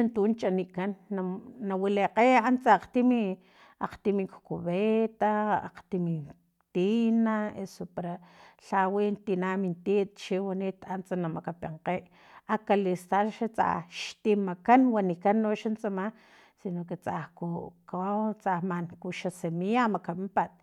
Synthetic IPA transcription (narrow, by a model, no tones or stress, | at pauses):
ant̪unt͡ʃaniʔkanːaːawileqeant͡saaqt̪imi | a̰qt̪imikkuβet̪aa̰qt̪imi | t̪inaḛsopaɾaɬawint̪inamint̪it̪̚t͡ʃiwaniːt̪ant͡sanamakapeɴqeʔ | akalist̪aʃat͡sa̰hʃt̪imakanwanikanːoʃant͡sama | sinoket͡sahkukaat͡sahmankuʃasemiamakamimpat̪̚